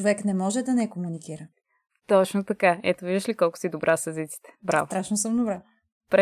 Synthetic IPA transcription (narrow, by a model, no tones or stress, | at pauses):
ovɛknɛmɔʒɛd̪ɐnɛkomunikiɾə | t̪ɔt͡ʃnot̪ɐkaɛt̪oviʒd̪əʃlikɔlˠkʊ̥sid̪obɾʔasɐzit̪si̥t̪ɛ̥bɾa̰vot̪ɾaʃnosɤmd̪obɾa | pɾ